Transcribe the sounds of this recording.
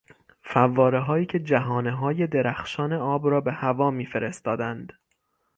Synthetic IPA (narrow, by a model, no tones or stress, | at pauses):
fævːɒːɾeɦɒːiːcʰe̞d͡ʒæɦɒːneɦɒːje̞d̪e̞ɾæxʃɒːne̞ɒːbɾɒːbe̞hævɒːmiːfe̞ɾe̞st̪ɒːd̪ænd̪̥